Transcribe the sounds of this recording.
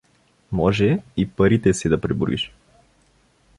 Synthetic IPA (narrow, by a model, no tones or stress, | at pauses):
mɔʒɛipaɾit̪ɛsɛd̪ɐpɾibṵɾḭʃ